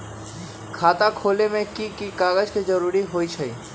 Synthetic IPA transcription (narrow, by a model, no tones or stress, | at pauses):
kʰat̪akʰolemẽkikikaɡəd͡ʑked͡ʒɔɾuɾiɦojt͡ɕʰəj